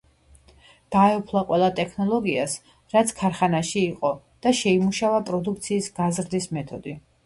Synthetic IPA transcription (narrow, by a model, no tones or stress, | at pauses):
d̪̥aɛɔpʰlˠaqʼwɛlˠat̪ʼɛkʰnɔlˠɔɡias | ɾat̪sʰkʰaɾχanaʃiːqʼɔ | d̪̥aʃɛimuʃavapʼɾɔd̪ukʰt̪sʰiːsɡazɾd̪ismɛt̪ʰɔd̪i